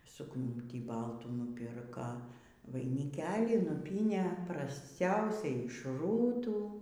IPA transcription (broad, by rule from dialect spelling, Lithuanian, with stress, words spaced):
suːkˈnuːtʲiː ˈbɐlˠtuː nʊˈpʲɪrkɐ ʋɐɪnʲɪˈkʲæːlʲiː nʊˈpʲiːnʲeː prɐsʲˈt͡sʲɛʊsʲɛɪ ɪʃ ˈruːtuː